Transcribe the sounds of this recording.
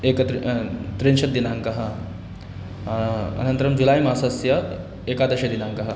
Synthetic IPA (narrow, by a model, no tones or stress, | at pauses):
eːkɐt̪ɾt̪ɾinʃɐt̪̚d̪inaŋkɐɦɐ̆ | ɐ̰nɐnt̪ɐɾɐmd͡ʒulaːjmaːsɐsjɐ | eːkaːd̪ɐʃɐd̪inaŋkɐɦɐ